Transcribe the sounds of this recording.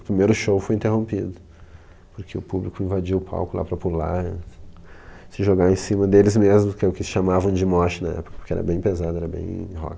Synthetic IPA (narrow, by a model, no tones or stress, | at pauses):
ʊpɾimejɾʊʃowfoj̃ĩnt̪eɦõmpid̪ʊ | pʊɾkʰeʊpublikʊĩvad͡ʒiwʊpʰa̰wkʊla̰pɾɐpula̰ | sɪʒoɡaẽsĩmɐd̪elɪzmezmʊkɪɛʊkɪsɪ̥ʃamavɐ̃w̃d͡ʒɪmɔt͡ʃɪnɐɛ̰pʊ̥kɐpoɾkeɛ̰ɾɐ̰bẽj̃pezad̪ʊɛɾɐbḛ̃j̃ɦɔ̰k